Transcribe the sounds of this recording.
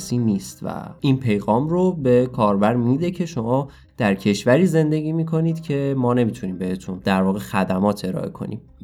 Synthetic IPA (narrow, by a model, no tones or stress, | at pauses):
siːniːst̪væ̰iːnpʰe̞jɣɒːmɾobe̞kʰɒːɾbæɾmiːd̪e̞cʰe̞ʃo̞mɒː | d̪̥æɾcʰe̞ʃvæɾiːze̞nd̪e̞ɟiːmiːkʰo̞niːd̪̥cʰe̞mɒːne̞mit̪ʰuniːmbe̞he̞t̪ʰund̪æɾvɒːɣexæd̪æmɒːt̪ʰe̞ɾɒ̰ːʔe̞̰kʰo̞̰nḭːm